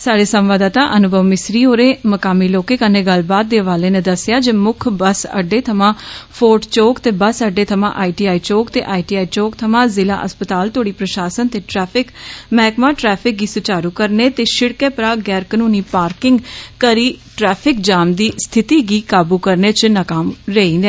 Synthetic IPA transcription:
saːɽeːsəmʋaːd̪ãːt̪ãːʔənʊbʱəʋmɪsɾiːoːɾẽːməkaːmiːloːkeːkənːeːɡəlbaːt̪̚d̪eːəʋaːleːnẽːd̪əsɪjaːd͡ʒeːmʊkʰbəsə̰ɖːeːt̪ʰəmãːpʰoːɾʈt͡ʃoːkt̪eːbəsəɖːeːt̪ʰəmã̰ːʔaːiːʈiːaːiːt͡ʃoːkt̪ḛːʔaːiʈiːaːiːt͡ʃoːkt̪ʰəmãːzɪla̰ːʔəspət̪aːlt̪oːɽiːpɾəʃaːsənt̪eːʈɾɛːpʰɪkmɛːkmãːʈɾɛːpʰɪk̚ɡiːsʊt͡ʃaːɾuːkəɾneːt̪eːʃɪɽkɛ̃ːpɾaːɡɛːɾkənuːniːpaːɾkɪŋɡkəɾiːʈɾɛːpʰɪkd͡ʒaːmd̪iːst̪ʰɪt̪iːɡiːkaːbuːkəɾneːt͡ʃnakaːmɾeĩːnd̪ɛː

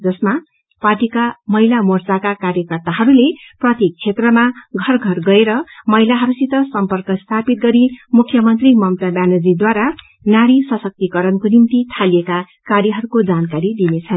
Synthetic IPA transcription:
d͡zʌsma | parʈikamʌɦilamort͡sakakaɾjʌkʌrt̪aɦʌɾuleprʌt̪ek̚t͡sʰet̪rʌmaɡʱʌrɡʱʌrɡʌeɾʌmʌɦjlaɦʌɾusit̪ʌsʌmpʌrkʌst̪ʰapit̪̚ɡʌɾimukʰːjʌmʌnt̪rimʌmt̪abjanʌd͡zid̪waɾa | naɽisʌsʌk̚t̪ikʌɾʌnkonimt̪it̪ʰalieka | kaɾjʌɦʌɾukod͡zankaɾid̪inet͡sʰʌn

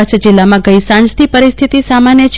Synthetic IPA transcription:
at͡ʃʰd͡ʒilːamãɡəjsãnd͡ʒt̪ʰipəɾist̪ʰit̪isamanjət͡ʃʰ

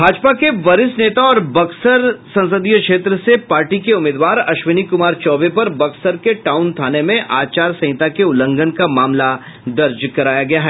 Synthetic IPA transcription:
bʱaːd͡ʒpakeʋɐɾɪsneːt̪aɔːɾbɐksəɾsɐ̃nsəd̪ijəkʃeːt̪ɾəsepaːɾʈikeʊmeːd̪ʋaːɾɐʃʋɪnikʊmaːɾt͡ʃɔːʋepɐɾbɐksəɾkeʈaːʊnt̪ʰaːnemẽʔaːt͡ʃaːɾsɐ̃ɦɪ̃t̪akeʊlə̃ŋɡənkamaːmla | d̪ɐɾd͡ʒkɐɾaːjaɡɐjaɦɛː

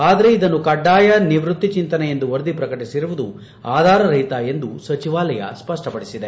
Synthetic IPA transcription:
aːd̪ɐɾe̞id̪ɐnːukɐɖːaːjɐniʋɾut̪ːit͡ʃint̪ɐnɛje̞nd̪uʋɐɾd̪ipɾɐkɐʈisiɾuʋud̪u | aːd̪ʱaːɾɐɾɐjt̪ɐe̞nd̪usɐt͡ʃiʋaːlɐjɐ̰spɐʂʈɐpɐɽisid̪e̞

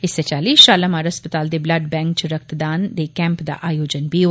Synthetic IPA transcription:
ɪsːet͡ʃaːliːsʃaːlamaːɾɦəspət̪aːld̪eːbləɖbɛ̃ːŋk̚t͡ʃɾək̚t̪d̪aːnd̪ekɛ̃ːmpd̪a̰ːʔaːjoːd͡ʒənbʱiːo

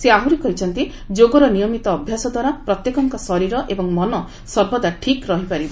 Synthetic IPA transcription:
seaɦuɾikɔɾit͡ʃʰɔnt̪i | d͡ʒoɡɔɾɔnijɔmit̪ɔːbʱjasɔd̪waɾapɾɔt̪jekɔŋkɔsɔɾiɾɔʔebɔŋmɔnɔ | sɔɾbɔd̪aʈʰikɾɔɦipaɾibɔ

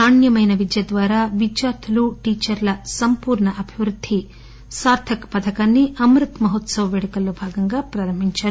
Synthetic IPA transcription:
aːɳjɐmɐjnɐʋid̪jɐd̪ʋaːɾaːʋid͡ʒjaːt̪ʰuluʈiːt͡ʃɐɾlɐsɐmpuːɾɳɐʔɐbʱiʋɾud̪ʱːi | saːɾt̪ʰɐkpɐt̪ʰɐkaːnːiʔɐmɾut̪mɐɦot̪sɐʋɐʋeɽɐkɐlːubʱaːɡɐŋɡaːpɾaːɾɐmiɲt͡ʃaːɾu

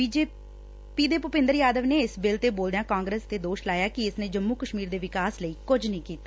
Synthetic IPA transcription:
iːd͡ʒeː | piːd̪eːpʊpɪ̃nd̪əɾjaːd̪əʋneːɪsbɪlt̪eːboːld̪ejãːkãːŋɡɾeːst̪eːd̪oːʃlaːjaːkɪɪsnẽːd͡ʒəmːuːkəʃmiːɾd̪eːʋɪkaːsləiːkʊd͡ʒnĩːkiːt̪aː

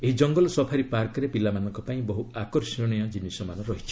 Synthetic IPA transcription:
eɦid͡ʒɔŋɡɔlɔsɔpʰaɾipaɾkɔɾepilamanɔŋkɔpaĩbɔɦuakɔɾsɔɽ̃ɔjɔd͡ʒinisɔmanɔɾɔɦit͡ʃʰi̥

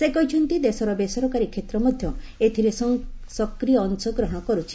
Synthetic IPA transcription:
sekɔɦit͡ʃʰɔnt̪id̪esɔɾɔbesɔɾɔkaɾikʰet̪ɾɔmɔd̪ʱjɔ | et̪ʰiɾesɔŋsɔkɾijɔːnsɔɡɾɔɦɔɽ̃ɔkɔɾut͡ʃʰi̥

